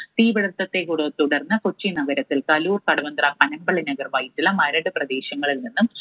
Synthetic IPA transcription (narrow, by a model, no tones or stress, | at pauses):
t̪iːʋɐɽɐrt̪ːɐt̪ːekuɽoːt̪uɽɐrnːɐkot͡ɕːinɐɡɐɾɐt̪ːilkɐluːrkɐɽɐʋɐnd̪rɐpɐnɐmbɐɭɐnɐɡɐrʋɐjitːilɐmɐɾɐɽɨprɐd̪e̞ːɕɐŋːɐɭilninːum